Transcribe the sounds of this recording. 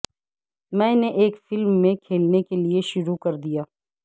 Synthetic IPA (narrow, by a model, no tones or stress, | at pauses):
mɛ̃ːneʔeːkfɪlmːẽkʰeːlnekelieʃʊɾukɐɾd̪ijaː